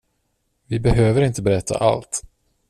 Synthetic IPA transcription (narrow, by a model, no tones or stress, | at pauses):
vɪbɛɦøːvəɾɪnt̪əbɛɾɛt̪ʰːa̰ʔa̰lt̪